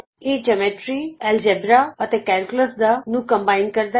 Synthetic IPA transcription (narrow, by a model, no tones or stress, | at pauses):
eːd͡ʒemeʈɾiɛld͡ʒebɾaət̪ekɛɾkuləsd̪anũkə̃mbaːɪn̚kəɾd̪a